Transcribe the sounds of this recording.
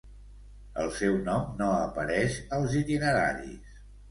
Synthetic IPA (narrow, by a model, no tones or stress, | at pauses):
ə̰lˠsɛwnɔmnoəpəɾɛʃəlˠzit̪inəɾa̰ɾḭs